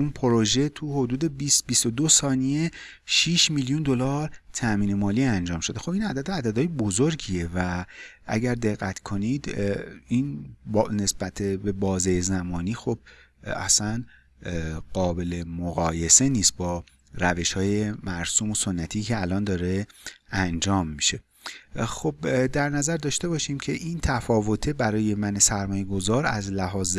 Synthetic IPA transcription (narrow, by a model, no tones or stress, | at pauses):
unpʰoɾo̞ʒe̞t̪ʰuho̞d̪uːd̪e̞bisbist̪o̞d̪osɒːnije̞ | ʃiʃmiljund̪o̞lɒɾt̪ʰæmiːne̞mɒːliːænd͡ʒɒːmʃo̞d̪e̞xo̞binæd̪æd̪oæd̪æd̪ɒːjebozoɾɟie̞væʔæɟæɾd̪e̞ɣːæt̪ʰkʰo̞nid̪inbne̞sb̥æt̪ʰebe̞bɒːzejezæmɒːniːxo̞b̥̚ | æ̰sæn | ɢ̥ɒːbe̞le̞moɣɒːje̞se̞niːst̪̚bɒː | ræve̞ʃhɒːje̞mæɾsuːmoso̞nːæt̪ʰiːcʰe̞ælɒːnd̪ɒːɾe̞ænd͡ʒɒːmːiʃe̞ | xobd̪æɾnæzæɾd̪ɒːʃt̪e̞bɒːʃiːmcʰe̞ʔint̪ʰæfɒːvo̞t̪ʰebæɾɒːje̞mæne̞sæɾmɒːje̞ɡo̞zɒːɾæ̰zlæɦɒːz